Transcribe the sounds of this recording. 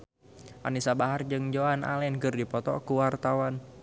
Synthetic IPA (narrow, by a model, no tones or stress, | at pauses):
ʔa̰nisabaɦard͡ʒɨŋd͡ʒoana̰lɛnkɨrdipɔt̪ɔ̰kuwart̪awan